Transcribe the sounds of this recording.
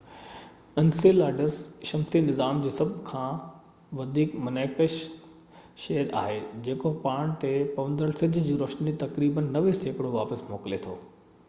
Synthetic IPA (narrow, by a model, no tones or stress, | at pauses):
ɐnsilaːɖəsʃɐmsinɪzaːmd͡ʑeːsɐbʱkʰãː | ʋɐd̪ʱiːkmɐneːkəʃ | ʃɐɦəɾa̰ːɦed͡ʑeːkopaːɽ̃t̪epɐʋə̃nd̪ɾəɽsɪd͡ʑ̆ʱd͡ʑiːɾoːʃnit̪ɐkɾiːbənːɐʋeseːkɽoʋaːpəsmoːklet̪ʰo̰ː